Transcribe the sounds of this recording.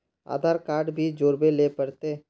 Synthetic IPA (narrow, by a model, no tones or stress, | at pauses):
a̰ːd̪ʱaːɾkaːɾɖbʱid͡ʒoːɾbeleːpəɾt̪eː